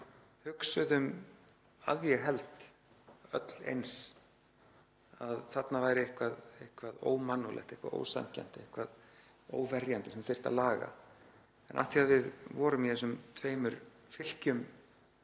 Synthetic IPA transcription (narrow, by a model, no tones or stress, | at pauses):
hʏksʏðʏm | a̰ðvjɛɣɦɛlt̪ | œ̰t̪l̥ḛjns | aðθat̪navaːjɾɪɪhkvaðehkvaðo̰ːwmanːɔlʔɛ̰ht̪ɪhkva̰ðo̰ːwsa̰ŋca̰nt̪ɪehkvað | o̰ːwvɛrjant̪ɪsɛmθer̥t̪a̰ðlaːɣa̰ | ɛnʔa̰fθiaðvɪðvɔːɾʏmiɛsʏmt̪ʰveːjmʏɾ | fɪl̥cʏm